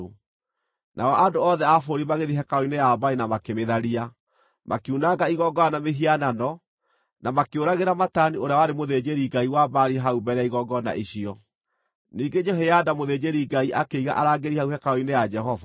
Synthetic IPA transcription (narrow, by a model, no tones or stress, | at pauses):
nʔa̰ɔʔandoɔðɛafoɾimaɣeðiɦɛkaoinɛjabainamakemeðaɾia | mʔa̰kunaɡaiɣɔɡɔanameɦiananɔ | namakeoɾaɣeɾamatanioɾeawaɾemoðed͡ʑeɾiɡaiwabaɾiɦaubɛɾɛaiɣɔɡɔna̰ʔiɕiɔ | niːɡed͡ʒeɦejadamoðed͡ʑeɾiɡaiʔakeiɣa̰ʔaɾaːɡeɾihauhɛkaoinejad͡ʒɛɦɔva